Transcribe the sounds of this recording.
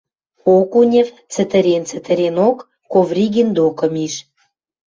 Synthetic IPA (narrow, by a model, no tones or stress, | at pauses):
okunʲĕv | t͡sə̆t̪ə̆ɾent͡sə̆t̪ə̆ɾenokː | ovrʲiɡind̪okə̆miʃ